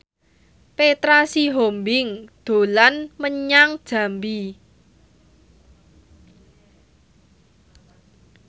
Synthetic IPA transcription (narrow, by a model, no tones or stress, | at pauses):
pet̪ɾasiɦombɪŋd̪̥o̤lanməɲaŋd̥ʒ̥a̤mbi